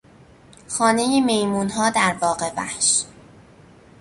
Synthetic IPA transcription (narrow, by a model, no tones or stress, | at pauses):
xɒːnejemejmuːnɦɒːd̪æɾbɒːɢe̞bæ̰hʃ